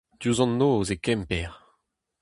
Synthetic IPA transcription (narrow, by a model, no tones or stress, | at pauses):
d̥̪juzɑ̃nːoozekɛmpɛʁ